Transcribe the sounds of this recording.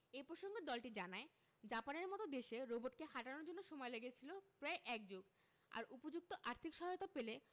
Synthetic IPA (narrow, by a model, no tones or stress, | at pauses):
epɾoʃoŋɡed̪ɔlʈid͡ʑanae | d͡ʑapaneɾmɔt̪od̪eʃeɾoboʈ̚keɦaʈanoɾd͡ʑonːoʃɔmɔeleɡet͡ɕʰilopɾaeʔɛk̚d͡ʑoɡ | a̰ɾupod͡ʑuk̚t̪oʔaɾt̪ʰikʃɔɦajot̪apele